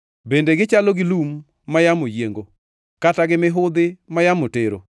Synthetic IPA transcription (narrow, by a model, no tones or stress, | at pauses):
bendeɡɪt͡ʃaloɡɪlumː | ajamojeŋɡo | kataɡɪmɪɦʊd̪ɪmajamoteɾo̰